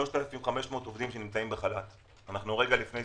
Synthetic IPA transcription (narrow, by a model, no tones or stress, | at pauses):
o̞ʃtelafimχame̞ʃmo̞ːt̪ovd̪imʃe̞nimt͡saimbeχalat̪ | anaχnuʁe̞ɡalifne̞j